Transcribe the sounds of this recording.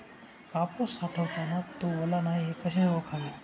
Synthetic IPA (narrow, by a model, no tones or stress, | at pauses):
kaposaʈʰəʋt̪anat̪oʋəlanaɦiekəʃeʋəkʰaʋe